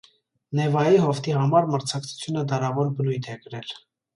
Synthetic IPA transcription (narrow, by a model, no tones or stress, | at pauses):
nɛvɑjiɦɔft̪ʰihɑmɑɾməɾt͡sʰɑkt͡sʰu̥t͡sʰjunəd̪ɑɾɑvɔɾbənujt̪ʰɛɡəɾɛl